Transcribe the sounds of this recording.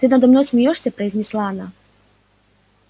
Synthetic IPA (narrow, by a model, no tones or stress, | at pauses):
t̪ɨnɐd̪ɔmnɔjsʲmʲijɔʂsʲɐpɾɐjzʲnʲislˠanɐ